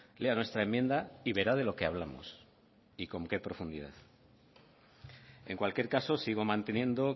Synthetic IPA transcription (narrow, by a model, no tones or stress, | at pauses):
le̞anwe̞st̪ɾae̞mje̞nd̪aiβe̞ɾað̞e̞lo̞ke̞aβlamo̰s | iko̞ŋke̞pɾo̞fund̪iða̰ð | e̞ŋkwalkje̞ɾkaso̞siɣ̞o̞mãnt̪e̞njẽ̞nd̪o